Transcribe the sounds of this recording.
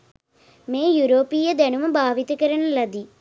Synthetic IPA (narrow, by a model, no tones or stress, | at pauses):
meːjuɾoːpiːjɐd̪ɐnumɐbʱaːʋit̪ɐkɐɾɐɳɐlɐd̪i